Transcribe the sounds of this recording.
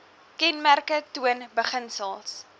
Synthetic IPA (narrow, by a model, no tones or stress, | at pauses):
kɛnmærkətuənbəχənsəlˠs